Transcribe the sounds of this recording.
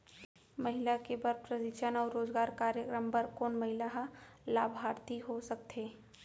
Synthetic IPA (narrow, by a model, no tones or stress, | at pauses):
mɐɦɪlakebɐɾpɾədɪʃənɔːɾɾoːzɡaːɾkaːɾjəkɾəmpɐɾkoːnmɐɦɪlaɦala̰ːbʱaːɾt̪iɦosɐk̚t̪ʰeː